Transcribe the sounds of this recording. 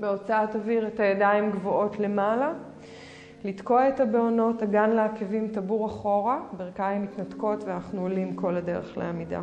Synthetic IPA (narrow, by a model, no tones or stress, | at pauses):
beo̞t͡saataviʁetajadaimɡvootle̞mala | lidko̞etabeono̞taɡanleakevimtabuʁaχo̞ʁabeʁkaimitnatko̞tveanaχnuolimko̞lade̞ʁḛχlḛamida̰